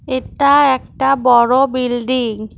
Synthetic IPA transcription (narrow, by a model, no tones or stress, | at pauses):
etaɛk̚tabɔɹɔbildiŋ